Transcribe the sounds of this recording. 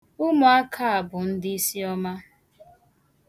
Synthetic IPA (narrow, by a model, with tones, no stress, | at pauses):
ʊ˦mʊ˨a˦kʰa˦a˨bʊ˨n̩˦dɪ˦i˦si˦ɔ˦ma˦